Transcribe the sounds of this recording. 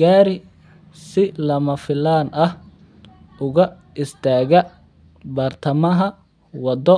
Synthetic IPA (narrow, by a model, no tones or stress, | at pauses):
ɡaːɾɪ | sɪlɐmɐfɪlaːnʔɐh | ʊɣɐ | ɪst̪ʰaːɣɐ | bɐrt̪ʰɐmɐɦɐ | wɐd̪ɔ